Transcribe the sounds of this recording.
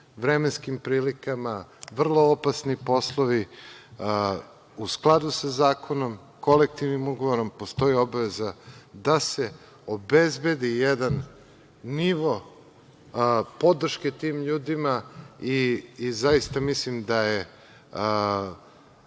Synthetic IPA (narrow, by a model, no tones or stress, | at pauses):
ʋɾemenskimpɾiːlikamaʋr̩lˠo̞opasnipo̞slˠoʋi | usklˠad̪usazaːkʰo̞no̞m | ko̞lek̚t̪iʋnimuɡoʋoɾo̞mpost̪o̞io̞baʋe̞zad̪ase | obezbe̞d̪ijed̪anː | iʋo̞ | po̞d̪r̩ʃket̪iːmʎuːd̪imaiːzajist̪amislimd̪aje